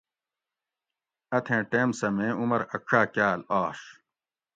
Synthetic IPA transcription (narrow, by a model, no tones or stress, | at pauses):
ɐt̪ʰẽːʈeːmsɐmẽːumɐɾɐkʰʂaːkjaːlaːʂ